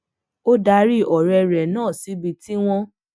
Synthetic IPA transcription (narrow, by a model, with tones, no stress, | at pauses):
o˦da˧˦ɾi˦˨ʔɔ˨ɾɛ˧ɾɛ˨nãː˦˨si˨˦bi˧ti˦w̃ɔ̃˧